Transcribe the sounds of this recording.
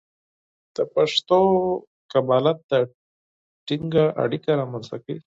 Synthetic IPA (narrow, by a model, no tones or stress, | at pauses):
d̪̥əpaʂt̪o | kabɑlat̪̚d̪a | ʈiŋɡaʔa̰ɽikaɾɑmanst̪akəi